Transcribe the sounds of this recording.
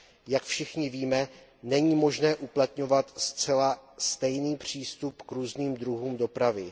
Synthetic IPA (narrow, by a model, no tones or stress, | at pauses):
jakfʃɪxɲɪviːmɛ | nɛɲiːmo̞ʒnɛːʔuplat̪ɲo̞vat̪st͡sɛlast̪ɛjniːpr̝̥iːst̪upkɾuːzniːmd̪ɾuɦuːmdo̞pɾavɪ